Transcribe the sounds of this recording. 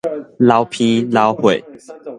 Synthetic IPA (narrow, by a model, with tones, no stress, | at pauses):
la˦ʊpʰĩ˦la˦ʊxwe˨ɪ